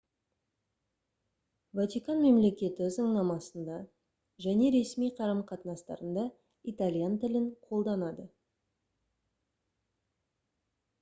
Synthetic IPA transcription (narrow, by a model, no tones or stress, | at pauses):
vɑt̪ʲikɑnme̞mle̞kʲe̞t̪ɪʏzəɴnɑmɑsənd̪ɑ | ʒæne̞ɾe̞smijqʰɑɾəmqʰɑt̪nɑst̪ɑ̰ɾənd̪ɑ | it̪alʲijant̪ɪlɪɴqʰo̞lˠd̪ɑnɑd̪ə